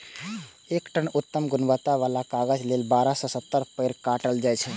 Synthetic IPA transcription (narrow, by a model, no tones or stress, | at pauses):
ekʈənut̪ːəmɡʊnʋət̪ːaʋalakaɡəd͡ʒlelbaɾasɔ̃sət̪ːəɾpəɪɾkaʈəld͡ʒajt͡ʃʰɛ